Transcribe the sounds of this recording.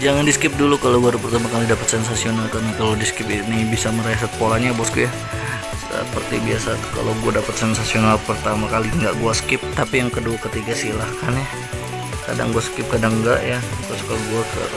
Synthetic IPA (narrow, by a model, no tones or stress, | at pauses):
d͡ʒaŋandisə̥kɪp̚dulukalowɡuaɾpərt̪amakalidapət̪sɛnsasionalkarnakalodisə̥kɪpinibisaməɾaas̬at̪̚polaɲabɔskuja | ə̰pərt̪ibiasaka̰lawɡuadapət̪̚sɛnsasionalpərt̪amakaliŋɡaʔɡuasə̥kɪp̚t̪apijaŋkəduakət̪iɡasilahkanja | ka̰da̰ŋɡuasə̥kɪp̚kadaŋɡa̰ʔjat̪ʊskalaɡuakə̰